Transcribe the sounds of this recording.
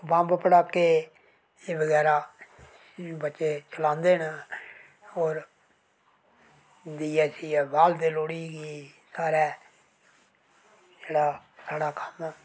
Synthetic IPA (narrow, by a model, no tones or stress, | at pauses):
bãːmbpəɽaːkːeː | eːbəɡɛːɾaː | bətːʃeːt͡ʃəlãːnd̪eːɦn | oːɾ | d̪iːɛːsiːbaːld̪eːloːɽiːɡiːsaːɾɛː | d͡ʒeːɽaːsaːɽaːkə̥m